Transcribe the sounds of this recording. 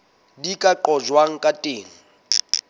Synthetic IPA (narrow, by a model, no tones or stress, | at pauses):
dikʼaǃɔd͡ʒwaŋ̩kʼatʼeːŋ̩